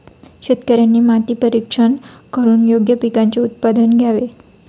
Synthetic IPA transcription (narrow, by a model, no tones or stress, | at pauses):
ɕet̪kəɾjanːimat̪ipəɾikʂənkəɾuːnjoɡjəpikãɲt͡ɕeut̪pad̪ənɡʱjaʋe